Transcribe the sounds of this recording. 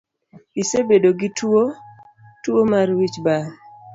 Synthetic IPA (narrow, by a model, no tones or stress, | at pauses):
isebedoɡɪtwo | twomarwit͡ʃba